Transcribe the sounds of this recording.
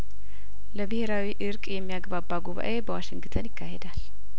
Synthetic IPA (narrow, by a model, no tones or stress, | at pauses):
ləbɨheɾawiʔɨɾkʼjɛmːijaɡbabːaɡuβa̰ʔe̞bəwaʃɪŋɡt̪ʰənjɪkːahed̪al